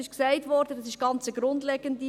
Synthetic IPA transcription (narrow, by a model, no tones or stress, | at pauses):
ɪʃksɛɪtʋɔɾdədɑsɪʃɡ̥ɑnt͡səɡɾʊndleːɡ̥əndi